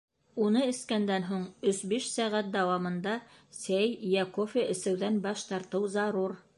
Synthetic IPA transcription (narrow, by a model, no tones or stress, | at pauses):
unɤɘ̆skænd̪ænɦuɴɵsbiʃsæʁæt̪̚d̪æwɑmɤ̆nd̪ɑsæjjækofʲeʔɘ̆sɘ̆wðænbɑʃt̪ɑɾt̪ɤwzɑɾuɾ